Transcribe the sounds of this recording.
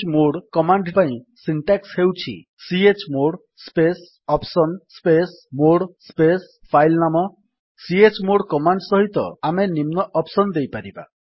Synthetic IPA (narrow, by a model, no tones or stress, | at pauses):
moɽkɔmaɳɖpaĩ | siɳʈakshewt͡ʃʰḭ | siet͡ʃmoɽ | spes | ɔpsɔnspes | moɽspes | pʰajlnamɔ | siet͡ʃmoɽkɔmaɳɖsɔɦit̪ɔ̰amenimnɔʔɔpsɔnd̪ejpaɾiba̰